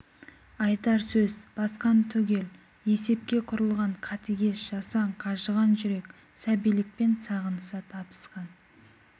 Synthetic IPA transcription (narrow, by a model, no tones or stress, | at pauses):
ɑjt̪ɑɾsɵzb̥ɑsqɑnt̪ʰʏɡʲe̞l | e̞se̞p̚kʲe̞qʰʊɾəlˠʁɑɴqʰɑt̪iɡʲe̞sʒ̥ɑsɑɴqʰɑʒəʁɑnʒʏɾe̞kʲ | sæbijlɪk̚pe̞nsɑʁənəsɑt̪ʰɑpə̥sqɑn